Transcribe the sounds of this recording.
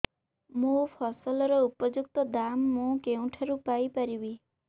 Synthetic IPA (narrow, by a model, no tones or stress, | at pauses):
mũpʰɔsɔlɔɾɔupɔd͡ʒuk̚t̪ɔd̪amːũkeũʈʰaɾupajpaɾibi